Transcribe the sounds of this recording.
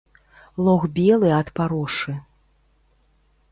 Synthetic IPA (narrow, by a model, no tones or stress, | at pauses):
lˠɔɣbʲɛlˠɨɐt̪paɾɔʂɨ